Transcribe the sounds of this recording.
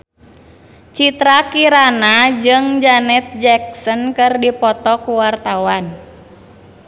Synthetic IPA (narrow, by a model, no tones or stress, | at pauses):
t͡ʃit̪ɾakiɾanad͡ʒɨŋd͡ʒanɛt̪̚d͡ʒɛk̚sənkɨrdipɔt̪ɔkuwart̪awan